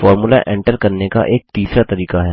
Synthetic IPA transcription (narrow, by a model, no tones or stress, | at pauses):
fɔːɾmulaʔɛ̃ɳʈəɾkɐɾneka̰ʔeːk̚t̪iːsɾat̪ɐɾiːkaɦɛː